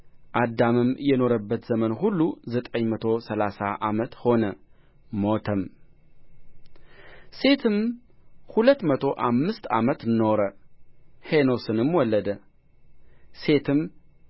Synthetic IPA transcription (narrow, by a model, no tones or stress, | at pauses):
ʔad̪amɨmjɛno̞ɾəbːət̪zəmənɦulːuzət̪ʼəɲmət̪ʰo̞səlasaʔamət̪ho̞nə | mo̞t̪ʰəm | se̞t̪ʰɨmhulət̪mət̪ʰo̞ʔamːɨst̪a̰mət̪nːo̞ɾə | heno̞sɨnɨmwɔlːəd̪ə | se̞t̪ʰɨm